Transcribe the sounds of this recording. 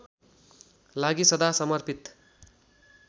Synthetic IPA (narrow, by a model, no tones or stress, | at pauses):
laɡisʌd̪asʌmʌrpit̪